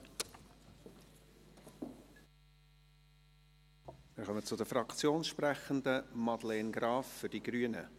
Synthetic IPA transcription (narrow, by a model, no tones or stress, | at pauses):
mɪɾχœmət͡sʊdəfɾɑkt͡sjoːnʃprɛχəndəmɑd̥̪lɛːnɡɾɑːfːʏɾdiɡɾyənə̰